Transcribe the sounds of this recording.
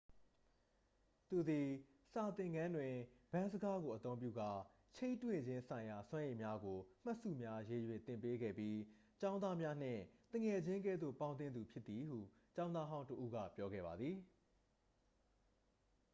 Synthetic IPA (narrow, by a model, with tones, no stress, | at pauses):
t̪u˨d̪i˨ | sa˨t̪ɪ̃˨ŋɡã˦ndwɪ̃˨b̥ã˦zə˦ɡa˦ɡo˨ʔət̪õ˦ʊ̃mpjṵ˦˨ɡa̰˦˨ | t͡ɕʰẽ˦ɪ̃twɪ̃˨ɲd͡ʑɪ̃˦nsã˨ɪ̃ja˨swã˦ʔẽ˨mja˦ɡo˨m̥a˦ʔsṵ˦˨mja˦je˨jwɛ˨t̪ɪ̃˨mpe˦ɡɛ̰˦˨pji˦ | t͡ɕã˦ʊ̃nd̪a˦mja˦n̥ɪ̰̃˦˨t̪ə̃˨ŋɛ˨d͡ʑɪ̃˦ŋk̬ɛ˦˨d̪ðo̰˦˨pã˦ʊ̃nt̪̬ɪ̃˦nd̪u˨pʰjɪ˦t̪t̪ːi˨ɦṵ˦˨ | t͡ɕã˦ʊ̃nd̪a˦ɦã˦ʊ̃ntəʔu˦ɡä̰˦˨pjɔ˦ɡɛ̰˦˨ba˨d̪ði˨